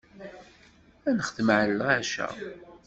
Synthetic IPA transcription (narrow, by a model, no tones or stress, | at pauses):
ænəχəðmʕəlːəʁæʃæ̰